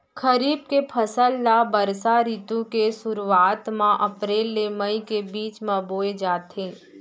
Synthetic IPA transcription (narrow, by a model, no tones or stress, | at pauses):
kʰəɾiːb̚kepʰəsəlːabəɾsaɾiːt̪õkesʊɾuaːt̪mãʔɐpɾeːlːeməikebiːt͡ʃmãboːed͡ʒaːt̪ɦẽː